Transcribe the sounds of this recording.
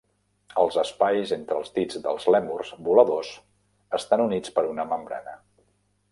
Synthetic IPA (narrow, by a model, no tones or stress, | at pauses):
əlˠzəspajzent̪ɾəlˠzd̪id͡zðə̰lˠzlɛmurz̥buləðos | əst̪anunit͡spəɾunəməmbɾa̰nə